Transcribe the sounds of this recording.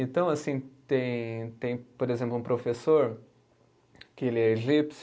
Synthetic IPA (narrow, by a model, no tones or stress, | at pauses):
ẽnt̪ɐ̃w̃asĩt̪ẽj̃t̪ẽj̃poɾezẽmplʊũpɾofesoɾ | kɪelɪɛeʒips